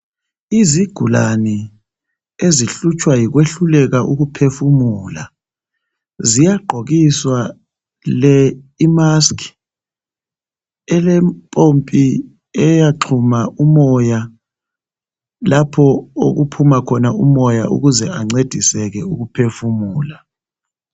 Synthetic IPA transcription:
iziɡ̥ʱulanɛ | eziɬut͡ʃʼʰwajiɣweɬulɛɣaʔuɣupʰefumuːla̰ | zijaɡ͡ǃʱoɣiswa | lɛimaskʼi̥ | ɛlɛmpʼompʼi | ɛjaǃʰumaʔumɔja | lapʰɔo̰ɣupʰumakʰɔnaṵmɔjaʔṵɣuzɛaŋ͡ǀed̥ʱisɛɣɛuɣupʰefumuːla

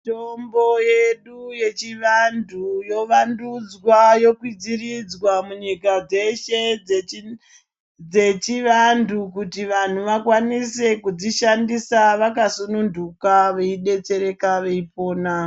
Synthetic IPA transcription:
tombo̞jeɗuje̞t͡ʃiʋandʰʱujo̞ʋandud͡zwajo̞kwid͡zirid͡zwamuɲikad͡ze̞ʃe | d͡ze̞t͡ʃiʋandukutiʋan̤uʋakwanise̞kud͡ziʃandisaʋakasunundukaʋeiɗe̞t͡se̞ɾe̞kaʋe̞ip̚o̞ːna

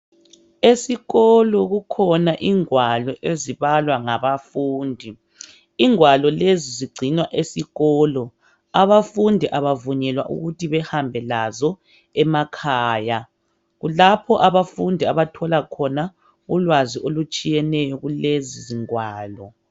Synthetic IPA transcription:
esiɣɔlɔɣukʰɔnaʔiŋwalɔʔeziβalwaŋaβafuːndʱi | iŋwalɔleziziɡ͡ǀʱinwaʔesiɣɔːlɔ | aβafundʱiʔaβavuɲɛlwaʔṵɣutʰiβɛhambʱɛlazɔ | ɛmakʰaːja | ɣulapʰɔʔaβafundʱiaβatʰɔlakʰɔna | ulwaziʔolut͡ʃʼijɛnɛjɔɣuleziziŋwaːlɔ

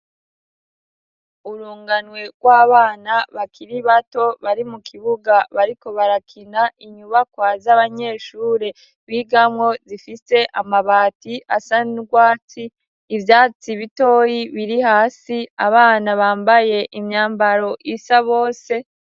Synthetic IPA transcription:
uɾuːŋɡanwe̞ɡwaːβaːnaβakʰiɾiβato̞βaɾimukʰiβuɡaβaɾiko̞βaɾakʰinaʔiɲuβakwazaβaɲe̞ːʃuːɾe̞ | βiːɡamŋo̞zifise̞ʔamaβaːtiʔasanuɡwaːt͡siː | vjaːt͡siβito̞ːjiβiɾihaːsiaβaːnaβaːmbaje̞ʔimɲaːmbaɾo̞ʔisaβo̞ːse̞

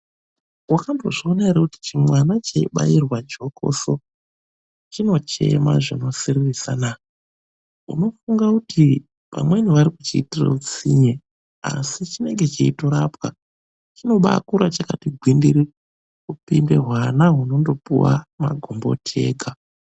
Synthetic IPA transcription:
wakamboʐiːnaeɾakuti̥t͡ʃimwanat͡ʃeiɓa̰jirwad͡ʒo̞ko̞̰so̞ | t͡ʃino̞t͡ʃe̞̰ma̰ʐino̞siririsana | ṵno̞fuŋɡakutʰi | pa̰mwe̞niʋaɾikut͡ʃiːtirḛut͡siɲe | a̰sit͡ʃine̞ŋɡe̞t͡ʃiitoɾapwa | t͡ʃino̞ɓa̰kuɾat͡ʃakatiɡʱwindiɾi | kupinde̞ɦwanaɦuno̞ndo̞pṵwa̰ma̰ɡʱombo̞̰tʰe̞̰ːɡʱa

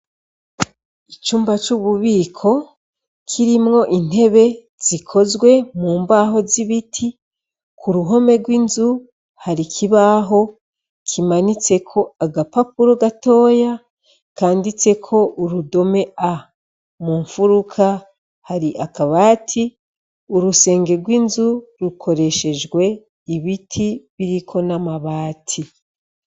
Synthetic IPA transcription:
it͡ʃuːmbat͡ʃuβuβiːkʰo̞ | kʰiɾimŋo̞ʔin̥he̞βe̞ | z̥ikʰo̞zɡwe̞muːmbaːɦo̞ziβitʰi | kʰuɾuɦo̞me̞ɡwinzu | haɾikʰiβaːɦo̞ | kʰimanit͡se̞kʰo̞aɡapapuɾoɡato̞ːja | kaːndit͡se̞kʰo̞ʔuɾudo̞me̞a | muːɱfuɾukʰa | haɾiʔakaβaːtʰi | uɾuse̞ːŋɡe̞ɾɡwiːnzuɾukʰo̞ɾe̞ʃe̞d͡ʒɡwe̞ | iβitʰiβiɾikʰo̞namaβaːtʰi

